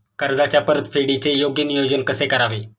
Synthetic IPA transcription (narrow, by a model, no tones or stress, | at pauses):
kəɾd͡zat͡ɕjapəɾət̪fʰeɽit͡sejoɡjənijod͡ʑənkəsekəɾaʋe